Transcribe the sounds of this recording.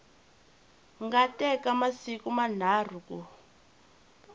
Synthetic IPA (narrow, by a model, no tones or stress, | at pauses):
ŋɡatɛkamasikuman̤aːr̤uku